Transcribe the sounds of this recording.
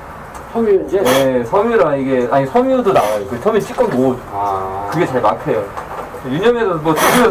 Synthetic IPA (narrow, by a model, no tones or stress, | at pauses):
sʰʌmesʰʌmjuɾaniɡe̞aɲisʰʌmjudonawajok͈ɯt͡ɕʰʌmiɕ͈ʰik͈ʌnmod͡ʑokɯɡe̞t͡ɕaɭmakʰe̞jo | ejuɲʌme̞sʰʌmwʌtuɡi